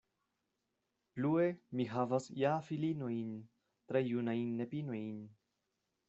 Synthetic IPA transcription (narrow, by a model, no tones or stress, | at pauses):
pluemiɦavasjafilino̞jn | t̪ɾejunajnːepino̞jn